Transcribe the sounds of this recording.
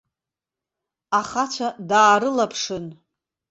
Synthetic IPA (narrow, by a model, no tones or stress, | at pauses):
aχat͡ʃʷʰadaːɾɨlapʰʂɨn